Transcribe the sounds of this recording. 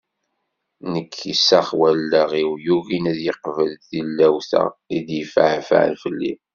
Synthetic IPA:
nəkʰːisæχwælːəʁiwjuɣinæðjəqvəlθilːæwθæ̰id̪jəfaʕfʕ̰lfəlːḭ

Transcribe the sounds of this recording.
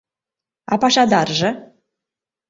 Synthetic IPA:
ɑ̰pɑʃɑd̪ɑrʒə̆

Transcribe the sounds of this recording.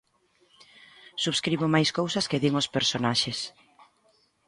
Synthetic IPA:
suβskɾiβʊmajskowsɐskeðiŋospeɾsonaʃes

